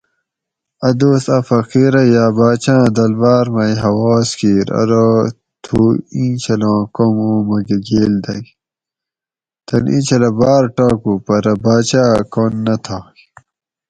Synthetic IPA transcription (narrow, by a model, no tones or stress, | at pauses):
ɐd̪oːsɐfɐqiːɾɐjaːbaːt͡ɕãːd̪ɐlbaːɾmɐjɦɐwaːskiːɾɐ̰ɾo | t̪ʰuːĩːt͡ɕʰɐlãːkomõːmɐɡeɡeːld̪ɐj | t̪ɐnʔḭ̃ːt͡ɕʰɐlɐbaːɾʈaːkupɐɾɐbaːt͡ɕaːkonːɐt̪ʰaː